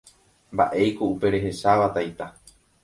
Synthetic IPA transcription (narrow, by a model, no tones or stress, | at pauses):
mba̰ʔe̞jkoupe̞ɾe̞ɦe̞saʋat̪ajt̪a